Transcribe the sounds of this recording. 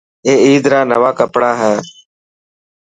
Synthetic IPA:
eːiːd̪ɾaːnəʋaːkəpɽaːɦɛ̃ː

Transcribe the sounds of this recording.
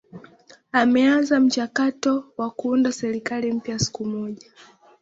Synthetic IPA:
amɛanzam̩t͡ʃakatɔwakuundasɛɾikalim̩pjasi̥kumɔʄa

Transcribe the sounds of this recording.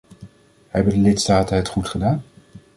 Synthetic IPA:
hɛbəndəlɪtstaːtənɦətχutχədaːn

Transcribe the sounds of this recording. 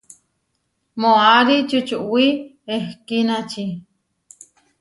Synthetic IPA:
moaɾit͡ʃut͡ʃuʔwi | ehkinat͡ʃi

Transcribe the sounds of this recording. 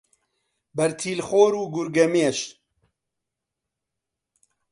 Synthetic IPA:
bɐɾt̪ʰiːlxoːɾuːɡʊɾɡɐmeeʃ

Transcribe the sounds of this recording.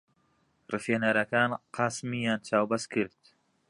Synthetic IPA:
rɨfeːnɐɾɐkaːnqʰɑːsmijaːnt͡ʃʰaːwbɐskʰɨɾd̪̥

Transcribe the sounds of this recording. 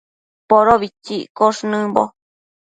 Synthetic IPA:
poɾoβit͡ʃiʔkoʂnɨ̃bo

